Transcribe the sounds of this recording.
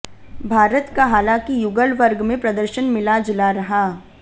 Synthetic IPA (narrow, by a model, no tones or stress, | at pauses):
bʱaːɾət̪kaɦaːlãkijʊɡəlʋəɾɡmẽpɾɐd̪əɾʃənmɪlad͡ʒɪlaɾɐɦaː